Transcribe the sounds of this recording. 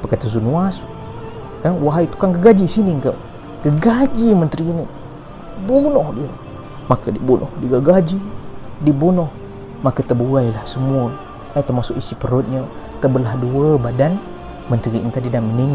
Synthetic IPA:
pəkat̪əzunuas | kanwaɦait̪u̥kankəɡad͡ʒisiniŋkə | kəɡad͡ʒimənt̪ɾini | bunɔhdiə | makədibunʔɔ̰hdiɡaɡad͡ʒidibunɔh | makət̪əbuailahsəmuə | lait̪əmasʊkisipəɾot̪̚ɲə | t̪əbəlahduəbadan | mənt̪ɾiəŋkadidanməniŋ

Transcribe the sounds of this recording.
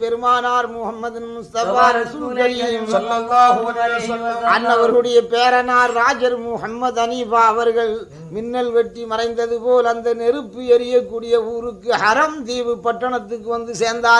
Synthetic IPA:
pɛɾɯmaːnaːɾmʊhɐmːɐd̪ɪnmʊst̪ɐfaːɾɐsuɡɐmː | ɐnːɐʋɐɾɣɐɯɽɐjɐpeːɾɐnaːɾːaːd͡ʒɐɾmʊhɐmːɐðɐniːfaːɐʋɐɾɣɐɭ | mɪnːɐlʋɛʈːimɐrɐɪnd̪ɐðɯpoːlɐnd̪ɐnɛɾɯpːɯɛɾɪjɐkːuːɽɪjɐuːɾɯkːɯhɐɾɐmd̪iːʋɯpːɐʈːɐɳɐt̪ːɯkːɯʋɐnd̪ɯseːɾnd̪aː

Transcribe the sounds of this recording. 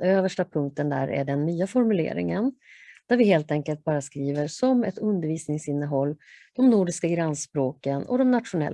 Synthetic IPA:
øːvəʂʈapʰɵŋk̚t̪ənd̪æ̰ɾʔæ̰ɖɛnːyːafɔɾmɵlḛːɾɪ̰ŋənd̪̥æɾvɪɦeːlt̪ɛŋkəlt̪̚bɑːɾaskɾiːvəɾsɔmɛt̪ɵnd̪əɾviːsnɪŋsɪnːəɦɔlːd̪̥ɔmnuːɖɪskaɡɾanːspɾoːkənɔ̰d̪ɔmnat̪ɧʊnɛ̰lː

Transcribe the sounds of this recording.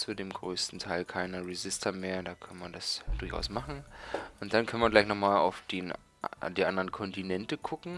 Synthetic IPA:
t͡sudeːmɡʁøːstn̩tʰaɪlkʰaɪnəʁezɪstʰɐmeːɐdaːkʰœnəmandasd̥ʊɐçʔa̰ʊsmaχn̩ʔʊnt̚d̥ankʰœnəmɐɡlaɪçnɔχmaːla̰ʊfd̥eːn | d̥iːʔandəʁənkʰɔntinɛntəɡʰʊkŋ̩

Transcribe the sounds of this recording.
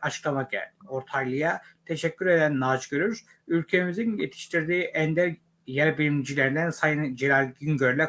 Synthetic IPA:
at͡ʃʰɯ̥klˠamaoɾt̪ʰalˠɯjat̪ʰeʃɛcʲːyɾe̞d̪ænːat͡ʃɟøɾyɾ | ylʲcʰemizinjḛt̪ʰi̥ʃt̪ʰiɾd̪iːʔænd̪æɾ | jæɾbilimd͡ʒilʲeɾind̪ænsajɯnd͡ʒilalʲɟynɟøɾlʲɛ

